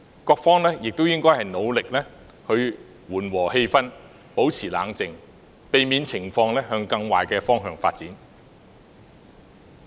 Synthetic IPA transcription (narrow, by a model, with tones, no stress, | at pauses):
kɔː˧k̚fɔː˥ŋlɛː˥jɪ˨k̚t̪o˥wjɪ˥ŋkɔː˥jhɐ˨jno˨˧wlɪ˨k̚lɛː˥ | hɵ˧ɥ | wuː˨˩nwɔː˨˩he˧jfɐ˥n | po˨˥wt͡sʰiː˨˩la̰ː˨˧ŋt͡sɪ˨ŋ | pe˨jmiː˨˧nt͡sʰɪ˨˩ŋfɔː˧ŋlɛː˥ɦœː˧ŋkɐ˧ŋwa̰ː˨jkɛː˧fɔː˥ŋɦœː˧ŋfaː˧t̚t͡siː˨˥n